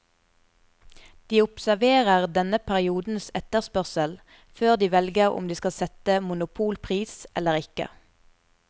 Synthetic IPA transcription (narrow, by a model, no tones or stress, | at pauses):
d̪̥iːʊpsæʋeːʁəʁd̪ɛnəpʰæʁɪuːd̪n̩sɛt̪əʁspœʁsəl | føːʁd̪iːʋɛlɡəʁʊ̰md̪iːskɑsɛt̪əmʊnʊpʰuːlpʰʁiːsʔɛləʁɪkə̰